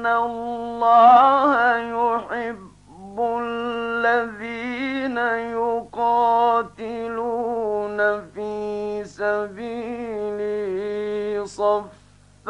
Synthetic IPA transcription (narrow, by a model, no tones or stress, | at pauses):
allːɑːhajʊħɪbː | ʊlːaðiːnajʊqɑːt̪ɪluːnafiːsabiːlɪ | sˤɑf